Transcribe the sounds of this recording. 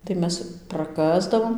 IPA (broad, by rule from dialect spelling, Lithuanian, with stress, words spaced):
tɐɪ ˈmʲɛs prɐˈkɑːzdɐʋoːm